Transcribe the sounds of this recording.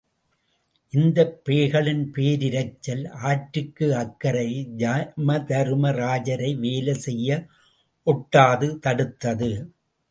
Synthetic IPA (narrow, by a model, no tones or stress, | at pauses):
ʔɪnd̪ɐpːeːɣɐɭɪnpeːɾɪɾɐɪt͡ʃːɐlaːʈɾɯkːɯɐkːɐɾɐɪd͡ʒamɐd̪ɐɾɯmɐɾaːd͡ʒɐɾɐɪʋeːlɐsɛjːɐ | ʔɔʈːaːðɯt̪ɐɽɯt̪ːɐðɯ